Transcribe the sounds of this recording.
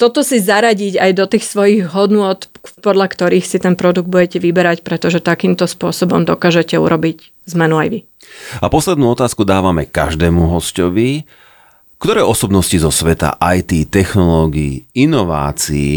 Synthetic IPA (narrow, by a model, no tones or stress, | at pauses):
t̪ɔt̪ɔsizaɾaɟiɟajd̪ɔt̪iːxsʋɔjiɣɦɔd̪nʊɔt̪pɔd̪ʎakt̪ɔɾiːxsit̪ɛnpɾɔd̪uɡ̪̚buɟɛcɛʋibɛɾacpɾɛt̪ɔʒɛt̪akiːmt̪ɔspʊɔsɔbɔmd̪ɔkaːʒɛcɛṵɾʔɔbic | zmɛnuajʋi | apɔslɛd̪nuːɔt̪aːskud̪aːʋamɛka̰ʒd̪ɛːmuɦɔscɔʋi | kt̪ɔɾɛːʔɔsɔbnɔscizɔsʋɛt̪a̰ʔajt̪iːt̪ɛxnɔlɔɡiːinɔʋa̰ːt͡sḭː